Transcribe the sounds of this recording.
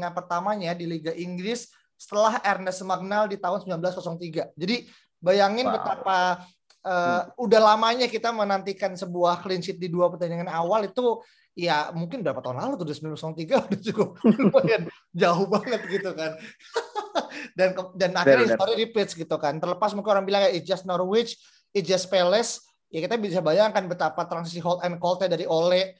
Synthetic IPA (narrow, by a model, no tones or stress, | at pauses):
ŋanpərt̪amaɲadiliɡaʔiŋɡɾɪsː | ə̥t̪əlaɦɛrnəsmaɡ̚naldit̪aɦʊnsəmbilanbəlaskɔsɔŋt̪iɡad͡ʒadi | bajaŋɪnpət̪apa | ʔəːudahlamaɲakit̪amənant̪ikansəbuahklint͡ʃɪt̪̚diduapərt̪aɲaŋanawalit̪u | jamuŋkɪnbɾapat̪aɦʊnlalut̪udisəmbilsɔŋt̪iɡaudad͡ʒuɡaupajan | d͡ʒaɦohbaŋət̪̚ɡit̪ukan | dankdanakɪɲist̪oɾiɾipɪt̪sɡit̪ukant̪ərləpasmuŋkɪnoɾaŋbilaŋjaid͡ʒasnɔrwɪt͡ʃ | it̪d͡ʒaspelɛs | jakit̪abisabajaŋkanbət̪apat̪ɾansisiɦɔlt̪ɛnkɔlt̪edaɾiʔolɛ